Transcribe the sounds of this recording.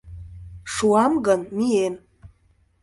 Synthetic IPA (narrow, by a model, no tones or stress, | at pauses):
ʂuamɡanmien